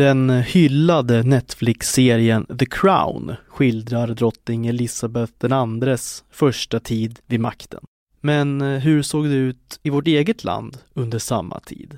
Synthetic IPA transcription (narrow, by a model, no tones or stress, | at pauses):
d̪̥ɛnhʏlːad̪ənɛt̪flɪkseːɾɪənðəkʰɾa̰ʊnɧɪld̪ɾaɾd̪ɾɔt̪nɪŋɛlɪsabɛθd̪ɛnand̪ɾəsfœʂʈat̪ʰiːd̪vɪd̪ma̰kt̪ʰə̰n | mɛnɦɵɾsoːɡd̪ɛʉ̟ːt̪ɪvɔʈeːɡət̪ʰlʔa̰nd̪ɵnd̪əʂa̰mːa̰t̪ʰḭːd̪